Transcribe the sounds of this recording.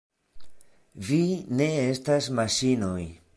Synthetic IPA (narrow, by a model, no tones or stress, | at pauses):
vine̞e̞stasmaʃinoj